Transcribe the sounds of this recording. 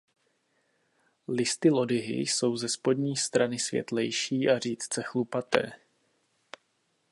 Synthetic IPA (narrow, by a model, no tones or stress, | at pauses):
lɪst̪ɪlo̞dɪɦɪ̰so̞wzɛspo̞d̪ɲiːst̪ɾanɪsvjɛ̰t̪lɛjʃiːʔariːt̪t͡sɛxlupat̪ɛ̰ː